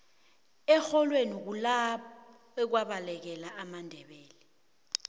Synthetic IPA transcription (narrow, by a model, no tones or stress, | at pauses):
ɛxɔlwenik̬ulaɓɔ | ɛk̬waɓalɛk̬ɛlaʔamandʱɛɓɛːlɛ